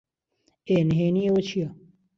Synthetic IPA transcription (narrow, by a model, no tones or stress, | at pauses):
enɦeːniewɐt͡ɕʰija